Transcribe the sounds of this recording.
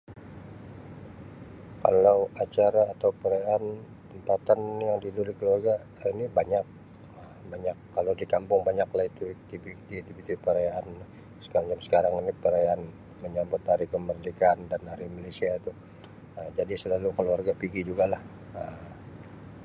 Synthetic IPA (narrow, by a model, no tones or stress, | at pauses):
ka̰lawat͡ʃaɾaːt̪awpəɾajaan | t̪əmpat̪anjaŋdidulɪhkəluarɡa | inibaɲak̚ | ə | baɲakːalawdikampʊŋbaɲaklahit̪ut̪ibidit̪ibit̪ipəɾajaan | sə̥kaɾaŋd͡ʒamsə̥kaɾaŋinipəɾajaan | məɲambʊt̪haɾikəmərdikandanhaɾimalesiait̪u | əmd͡ʒadisəlalukəluarɡapiɡid͡ʒuɡalah | əm